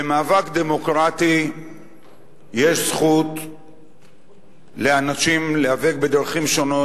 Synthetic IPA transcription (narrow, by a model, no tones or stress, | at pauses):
bemaːvakd̪e̞mokʁat̪i | jeʃsχut̪ | leanaʃimleavek̚bed̪aʁχimʃo̞no